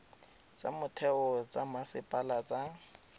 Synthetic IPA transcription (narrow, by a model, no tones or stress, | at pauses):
t͡sa̰mʊtʰɛɔt͡samasɪpʼalat͡sa